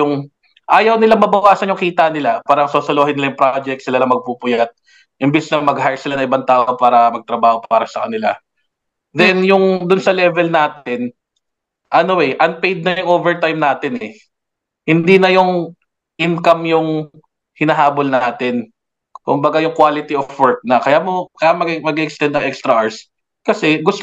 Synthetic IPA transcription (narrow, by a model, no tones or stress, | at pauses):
jʊŋ | ʔaːjɐwnɪlaŋmɐbɐwaːsɐnjʊŋkiːt̪ɐnɪlapaːɾɐŋsoːsolohɪnɪlajʊŋpɾad͡ʒɛk̚t̪sɪlalɐŋmɐɡ̚pupʊjat̪̚ | ʔɪmbɛsnɐŋmɐɡhajsɪlanɐŋʔɪbant̪aːʔopaːɾɐmɐɡ̚t̪ɾɐbaːho̞paːɾɐsɐkɐnɪla̰ | d̪ɛnjʊŋd̪ʊnsɐlɛvɛlnaːt̪̚ɪn | ʔɐnowɛʔɐnpejd̪̚nɐjʊŋʔoːvɛɹt̪ajmnaːt̪ɪnɛ | hɪnd̪iːnɐjʊŋ | ʔɪnkɐmjʊŋ | hɪnɐɦaːbolnaːt̪ɪn | kʊmbɐɡajʊŋkwaːlɪt̪iʔofwɛɹk̚nɐkɐjaːmo̞kɐjamɐɡmɐɡiʔɛkst̪ɛnd̪ɐŋʔɛkst̪ɾɐʔaɹs | kɐsɛɡʊst̪